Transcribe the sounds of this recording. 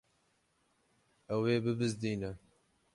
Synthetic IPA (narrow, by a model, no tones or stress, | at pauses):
ɛweːbɨbɨzd̪iːnɛ